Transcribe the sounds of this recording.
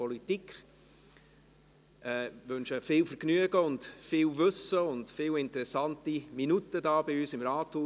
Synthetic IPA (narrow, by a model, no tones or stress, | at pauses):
ɔlitikχ | ʔɛʋønʃəfɪːlfəɾknyəɡəʊntfɪːwvɵsəʊndfɪːwɪntəɾɛsɑntiminutədɑːbɪyːsɪmɾɑːthuː